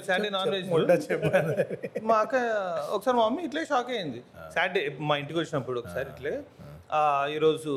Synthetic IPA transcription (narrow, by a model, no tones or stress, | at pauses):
saːɖinaːnʋeːd͡ʒt͡ʃɛpː | maːkɐɔ̰kːɐsaːɾimamːiːʈleːʃaːkeːjind̪isaːɖimaːiɳʈikiʋot͡ʃːinɐpːuɽuɔkːɐ̥saːɾiʈleː | iːɾoːd͡ʒu